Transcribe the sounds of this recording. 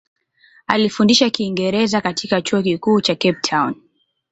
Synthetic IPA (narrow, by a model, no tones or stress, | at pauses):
alifundiʃakiːŋɡɛɾɛzakatʰikat͡ʃuɔkikuːt͡ʃakɛp̚tʰawn